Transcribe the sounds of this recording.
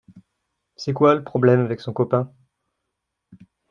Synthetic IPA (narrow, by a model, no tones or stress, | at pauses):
sɛkwaləpχɔblɛmavɛksɔ̃kɔpɛ̃